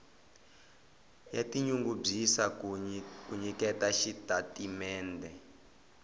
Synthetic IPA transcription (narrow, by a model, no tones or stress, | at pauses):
jatiɲuŋɡub͡ʐisa | kuɲikɛtaʃitatimɛːndɛ